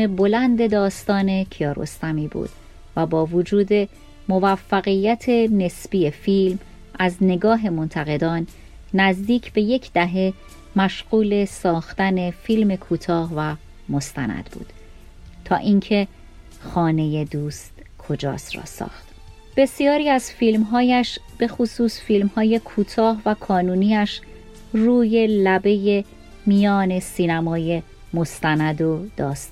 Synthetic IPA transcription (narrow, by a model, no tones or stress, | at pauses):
ebo̞lænd̪e̞d̪ɒːst̪ɒːne̞cʰiɒːɾo̞̰st̪æmiːbṵːd̪̥ | væbɒːvod͡ʒuːd̪e̞ | mo̞væfːæɣijːæt̪ʰene̞sb̥iːefiːlm | æzne̞ɡɒːɦe̞mo̞nt̪ʰæɣe̞d̪ɒːnː | æzd̪iːcʰb̥e̞je̞cʰd̪æɦe̞ | mæʃɣuːle̞sɒːxt̪æne̞fiːlme̞kʰuːt̪ʰɒːhvæ | mo̞st̪ænæ̰d̪̥bṵːd̪̥ | t̪ʰɒːʔiŋcʰe̞ | xɒːne̞je̞d̪uːst̪kʰo̞d͡ʒɒ̰ːsrɒ̰ːsɒ̰ːxt̪ | b̥e̞sijɒːɾiːæzfilmɦɒːjæʃ | b̥e̞xosuːsfilmhɒːje̞kʰuːt̪ʰɒːhvækʰɒːnuːniæʃ | ruːje̞læbe̞je̞ | mijɒːne̞siːnæmɒːje̞ | mo̞st̪ʰænæd̪od̪̥ɒːst̪